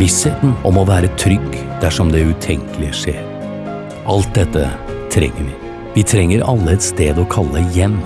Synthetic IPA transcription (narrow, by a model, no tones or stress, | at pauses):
ɪsheːt̪n̩ɔmɔʋæːɾət̪ʰɾʏɡd̪̥æʂɔmd̪ɛʉːt̪ʰɛŋkəlɪʂeːɾ | ʔɑlt̪̚d̪ɛt̪ːət̪ʰɾɛ̰ŋːəɾʋɪ | ʋɪt̪ʰɾɛŋːəɾɑlːəɛt̪st̪eːd̪ɔkʰɑlːəjɛmː